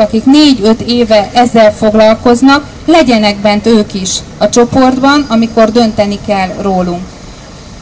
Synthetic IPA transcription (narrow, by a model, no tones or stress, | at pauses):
ɒkikneːɟø̞t̪eːvɛʔɛzːɛlfo̞ɡlɒlko̞znɒk | lɛɟɛnɛɡ̚bɛnt̪øːkiʃ | ɒt͡ʃo̞po̞rd̪bɒnɒmiko̞rd̪ø̞nt̪ɛnikɛlroːluŋk